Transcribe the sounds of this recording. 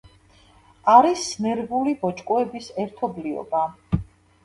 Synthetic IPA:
aɾisnɛɾbulibɔt͡ʃʼkʼwɛbisɛɾt̪ʰɔbliɔ̰ba

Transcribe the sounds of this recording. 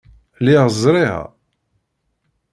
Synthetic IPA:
liʁəzˤɾˤihæ̰

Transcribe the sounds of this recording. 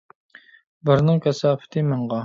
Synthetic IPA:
bɪɾnɨŋkʲʰɛsɑːpʰɪ̥t̪ʰɨmɨɴʁɑ

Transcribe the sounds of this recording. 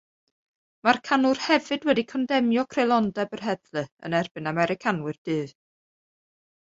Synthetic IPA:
markʰanʊrhɛvɨdwɛdikʰɔndɛmjɔkʰrelˠɔndɛbərɦɛðlɨə̰nɛrb̥ɨnamɛɾɨkʰanwɨrd̥ɨːð

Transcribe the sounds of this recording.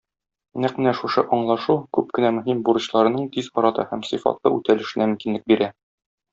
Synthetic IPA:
næqmɘnæʃuʃɤʔɒɴlˠɑʃukʉp̚kɘ̆næmɵ̆ɦimbuɾɤ̆ɕlˠɑɾɤ̆nɤɴt̪izɒɾɑt̪ɤ̰hæmsifɑ̰t̪lˠɤ̰ʉ̰t̪ælɘ̆ʃɘ̆næmɵ̆mkinlɘk̚biɾæ

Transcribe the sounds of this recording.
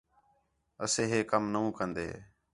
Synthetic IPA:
əsẽːɦeːkəmnəũːkənd̪ḛː

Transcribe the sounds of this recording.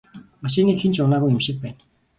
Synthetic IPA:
maʃɪniːkxent͡ɕʊnaːɣujʊmʃɪ̆k̚pæːn

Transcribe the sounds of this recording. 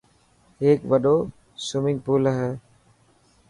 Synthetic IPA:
eːkʋəɗoː | sʊmɪ̃ŋɡ̚puːləɦɛː

